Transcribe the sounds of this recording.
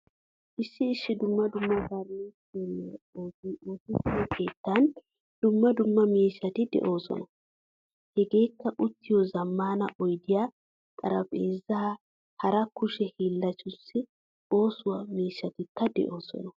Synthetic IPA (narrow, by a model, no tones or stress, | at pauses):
ʔɪsːɪːʃːɪd̪ʊmːɐd̪ʊmːɐɡaɾne | elːɛoːtoːtɪtːɪwɔkʰe̞ːt̪ːɐn | d̪̥ʊmːɐd̪ʊmːɐmiːʃɐt̪ɪd̪ɛ̰ʔo̞ːsɔ̰nɐ | hɛɡe̞ːkːɐʔʊt̪ːɪjɔzɐmːaːnɐ̰ʔɔjd̪ɪjaː | kʼɐɾɐpʼeːzːɐ | hɐɾɐkːʊʃɛhiːlːɐt͡ʃʊsːɪ | o̞ːsʊwɐmiːʃːɐt̪ɪkːɐd̪ɛ̰ʔo̞ːsɔ̰nɐ